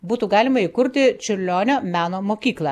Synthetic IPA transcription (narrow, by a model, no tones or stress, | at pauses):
buːt̪uːɡɑːlʲɪmɐikʊɾʲt̪ʲɪt͡ʃʲʊɾʲlʲoːnʲoːmʲæːnoːmoːkʲiːklˠɑ